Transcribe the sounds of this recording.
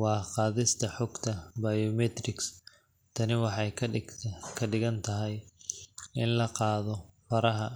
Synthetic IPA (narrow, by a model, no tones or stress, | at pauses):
wɑːqɑːðɪst̪ʰɐħɔɡt̪ʰɐbɐjɔmɛt̪rɪks | t̪ʰɐnɪwɑħɑjkʰkʰɐɖɪɣɐnt̪ʰɐɦɛj | ɪnlɐqɑːðɔfɐɾɐɦɐ